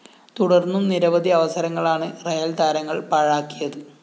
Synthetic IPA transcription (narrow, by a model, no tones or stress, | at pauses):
t̪uɽɐrnːumniɾɐʋɐd̪ʱiɐʋɐsɐɾɐŋːɐɭaːɳɨrejɐld̪aːɾɐŋːɐɭpɐɻaːkːijɐðɨ